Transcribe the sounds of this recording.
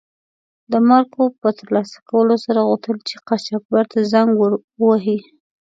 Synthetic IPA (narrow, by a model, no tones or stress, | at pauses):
d̪əmaɾkopət̪əɾlɑsḁkawəlosaɾaɣut̪əlt͡ʃeqat͡ʃak̚baɾt̪azaŋɡwəɾ | waɦi